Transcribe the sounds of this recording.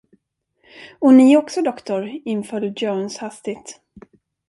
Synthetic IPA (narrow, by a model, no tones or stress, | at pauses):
ɔnɪɔksɔd̪ɔkt̪ʊɾɪnfœːld̪joːnshast̪ɪt̪